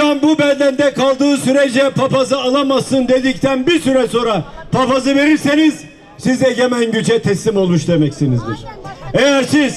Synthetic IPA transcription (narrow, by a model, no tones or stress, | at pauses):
anbubænd̪ænd̪ɛkʰalˠd̪ɯːsyɾed͡ʒɛpʰapazɯalˠamasɯnd̪e̞d̪ict̪ʰænbiɾsyɾɛso̞ːnɾa | pʰapazɯve̞ɾiɾse̞niz̥ | sizeɟemænɟyt͡ʃʰɛt̪ʰɛslʲimo̞lˠmuʃd̪e̞mɛcsinizd̪ḭɾ̥ejæɾsiz̥